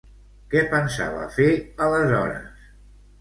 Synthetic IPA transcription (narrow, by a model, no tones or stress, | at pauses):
kɛpənsa̰βə̰feələzɔɾə̰s